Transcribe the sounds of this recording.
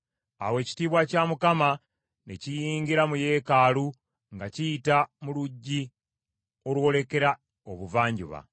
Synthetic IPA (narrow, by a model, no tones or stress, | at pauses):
a̰we̞ːci̥tiːβwacamukama | necijiːŋɡiɾamuje̞ːkaːlu | ŋɡacijitamuluɟːi | o̞lwo̞le̞ke̞ɾa | oβuvaːɲɟṵβa̰